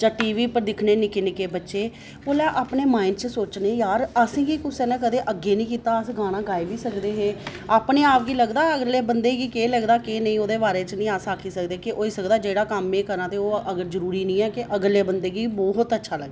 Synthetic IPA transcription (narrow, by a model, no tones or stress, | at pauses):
d͡ʒãːʈiːʋiːpəɾd̪ɪkʰneːnɪknɪkeːbətːʃeː | boːljaːʔaːpneːmaːɪnɖt͡ʃəsoːt͡ʃneːjaːɾəsĩːɡiːkʊsʰeːnãːk̬əd̪eːʔəɡːeːnĩːkiːt̪aːəsɡaːɽãːɡaːiʋiːsəkd̪eːɦeː | aːpneːaːpɡiːləɡd̪aːəɡleːbənd̪eːɡiːkeːləɡd̪aːkeːnəĩːoːd̪eːbaːɾeːt͡ʃnĩːaːsaːkʰiːsəkd̪eːkɪʔoːiːsəkd̪aːd͡ʒeːɽaːkəmeːkəɾnãːt̪eːoːəɡəɾzəɾuːɾiːnĩːɛːkɪʔəɡleːbənd̪eːɡiːbɔːɦʊt̪ətːʃʰaːləɡda